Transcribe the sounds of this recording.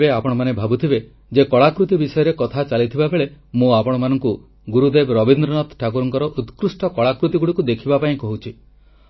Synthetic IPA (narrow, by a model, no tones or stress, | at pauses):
eapɔɽ̃ɔmanebʱabut̪ʰibe | d͡ʒekɔɭakɾut̪ibisɔjɔɾekɔt̪ʰat͡ʃalit̪ʰibabʱeɭemũapɔɽ̃ɔmanɔŋku | ɡuɾud̪ebɾɔbind̪ɾɔnɔt̪ʈʰak̬uɾɔŋkɔɾɔʔut̪kɾusʈɔkɔɭakɾut̪iɡuɽikud̪ekʰibapaĩkɔɦut͡ʃʰi